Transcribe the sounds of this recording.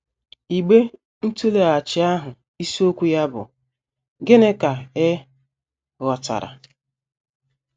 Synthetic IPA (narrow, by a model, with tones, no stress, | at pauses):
i˨ɡ͡be˦ | n̩˦tu˦le˨a˨t͡ʃɪ˨˦a˦ɦʊ˨ | i˦so˦kʷu˦ja˦bʊ̰˨ | ɡe˦ne˦ka˨e˦ | ɣɔ˨ta̰˨ɾa̰˨